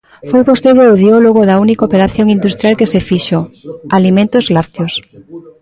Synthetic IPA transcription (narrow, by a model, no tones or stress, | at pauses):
fojpost̪eɾjoɾoðiɔloɣ̞oðaunikaopeɾaθjoŋĩnd̪ust̪ɾjalkesefiʃoalimẽnt̪ozlat̪jos